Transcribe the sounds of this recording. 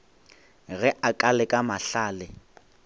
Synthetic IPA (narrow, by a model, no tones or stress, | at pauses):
ɣɛʔakʼalɛkʼamaɬaːlɪ